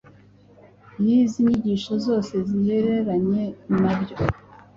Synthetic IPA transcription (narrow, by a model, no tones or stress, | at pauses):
niziɲiɟiʃozo̞ːse̞ziheɾe̞ɾaɲe̞mabjo